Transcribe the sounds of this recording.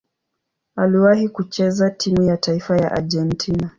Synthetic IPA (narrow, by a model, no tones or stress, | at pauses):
aliwahikut͡ʃɛzatʰimujatʰaifaja̰ʔa̰ʄɛntʰina